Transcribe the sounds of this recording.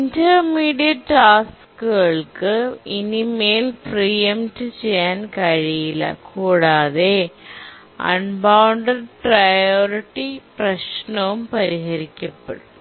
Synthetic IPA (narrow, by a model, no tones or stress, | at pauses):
indɐmiːɽijɐʈːaːs | kːuɣɐɭkɨinimeːlprijɐmtɨt͡ɕejːaːnkɐɻijilɐ̰kuːɽaːðe | ɐ̰nbawɳɖɐɖprɐjoːriʈːiprɐɕnɐʋumpɐɾiɦɐɾikʲːɐpːeɽum